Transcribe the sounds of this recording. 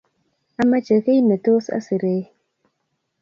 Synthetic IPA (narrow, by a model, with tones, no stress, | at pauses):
a˦mə˦t͡ʃə˨ɣi˦nə˨to˦sa̰˦si˨ɾe˨˦